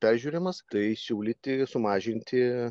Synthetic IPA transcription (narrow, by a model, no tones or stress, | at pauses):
pʲæːɾʲʒʲuːɾʲɪmɐst̪ɐɪsʲuːlʲɪt̪ʲɪsʊmɑːʒʲɪnʲt̪ʲɪ